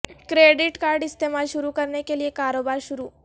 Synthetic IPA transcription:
kɾeɖiʈkaɾɖist̪ʰemalʃuɾukəɾɳjakeliekːaɾobaɾɕuɾuː

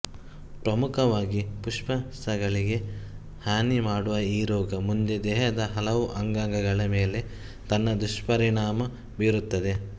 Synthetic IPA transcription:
pɾɐmukʰɐʋaːɡipuʂpɐ | ɐɡɐɭiɡe̞ | haːnimaːɽuʋɐiːɾɔːɡɐmund̪e̞d̪ɛːɦɐd̪ɐɦɐlɐʋuʔɐŋɡaŋɡɐɡɐɭɐme̞ːle̞ | t̪ɐnːɐd̪uʂpɐɾiɳaːmɐ | biːɾut̪ːɐd̪e̞

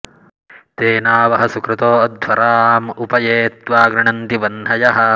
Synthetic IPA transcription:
t̪eːnaːʋɐɦɐsukɾɐt̪oːɐd̪ʱʋɐɾaːmupɐjeːt̪ʋaːɡɾɐɳɐnt̪iʋɐnɦɐjɐɦɐ

